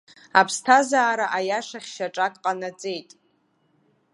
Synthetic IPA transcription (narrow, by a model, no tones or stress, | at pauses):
apʰstʰazaːɾaʔajaʂaχʲʃaʈ͡ʂʼakʼqʼanad͡zʼe̞jtʼ